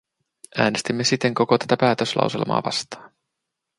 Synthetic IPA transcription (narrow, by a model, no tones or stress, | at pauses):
ʔæːnest̪imːe̞sit̪ːe̞ŋko̞ko̞t̪æ̥t̪æpæːt̪øslʔɑ̰wsḛlmɑ̰ːʋɑ̰st̪ɑ̥ːn